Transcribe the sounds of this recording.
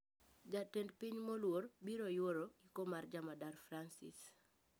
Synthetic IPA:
d͡ʒatɛndpiɲmɔlwoɾbiɾojoɾoikomaɾd͡ʒamadaɾfɾansḭs

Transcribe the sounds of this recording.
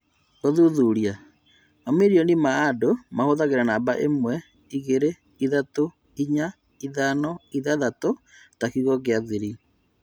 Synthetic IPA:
oðuðuɾia | mamiɾionimaːdomahoðaɣeɾanabaʔḛmwɛ | iɣeɾe | iðato | iɲa | iðanɔiðaðato | takiɣɔɣeaðiɾi

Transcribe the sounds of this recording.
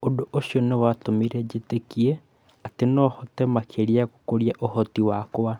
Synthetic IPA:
odoʔoɕjonewatomiɾɛd͡ʒetekie | atenɔhɔtɛmakʰeɾiakokoɾjaʔohɔtiwakwa

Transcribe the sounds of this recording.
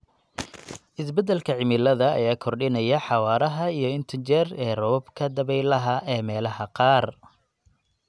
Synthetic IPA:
ʔɪsbɛd̪ɛlkʰɐʕɪmɪlɐðɐ̰ːjaːkʰɔrɖɪnɐjɐħɑwɑːɾɐɦɐijɞɪnt̪ʰɪnt͡ʃɛrɛːrɔbkʰɐd̪ɐβɛjlɐɦɐʔɛːmɛːlɐhɐqɑːr

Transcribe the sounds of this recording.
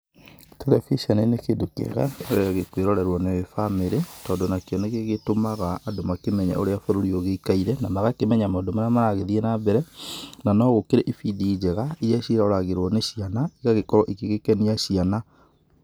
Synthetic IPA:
tɛɾɛfiʃɔnenekedokḛɣa̰oɾeaɣekweɾɔɾɛɾwɔneefameɾetɔːndonakejɔneɣeɣetomaɣaːdomakemɛɲɛ̰ʔo̰ɾeafoɾoɾioɣeikaiɾɛnamaɣakemɛɲamadomanamanaɣeðiɛnabɛɾɛnanɔɣokeɾeʔifidiːd͡ʒɛɣaijɛʃiɾaoɾaɣeɾwɔneɕianaiɣaɣekɔɾɔʔikeɣekɛniaɕiana

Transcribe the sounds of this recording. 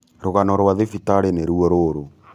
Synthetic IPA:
ɾoɣanɔɾwaðefitaɾeneɾuɔɾoɾo

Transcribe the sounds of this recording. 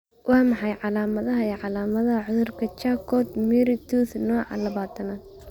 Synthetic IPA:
wʔɑːmɑħɑjʕɑlaːmɐðɐɦɐɛʕɑlaːmɐðɐɦɐʕʊðʊrkʰɐt͡ʃaːkʰɔːd̪miɾɪt̪ʰuːθnɔːʕɑ̰lɐβaːt̪ʰɐnad̪

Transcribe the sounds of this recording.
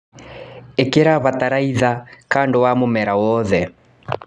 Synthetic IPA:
ekeɾaβataɾaiðakandowamomɛɾawɔðɛ

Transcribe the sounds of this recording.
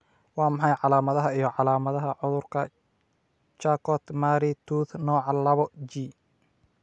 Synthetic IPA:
wɑːmɑħɑjʕɑlaːmɐðɐɦɐijɞʕɑlaːmɐðɐɦɐʕʊðʊrkʰɐ | t͡ʃaːkʰɔt̪maːɾit̪ʰuːθnɔːʕɑlɐβɔd͡ʒiː

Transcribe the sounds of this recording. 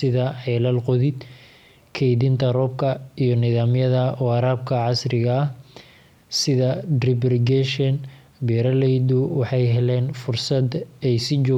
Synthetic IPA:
sɪðɐħɛlɐlqɔðɪd̪ | kʰɛjðɪnt̪ʰɐrɔːb̚kʰɐijɔnɪðaːmjɐðɐɔːɑɾaːb̚kʰɐʕɑsrɪɣɐːh | sɪðɐdrɪbrɪɡɛʃɛn | bɛːɾɐlɛjðʊwɑħɑjɦɛlɛːnfʊrsɐd̪ɛjsɪt͡ʃɔː

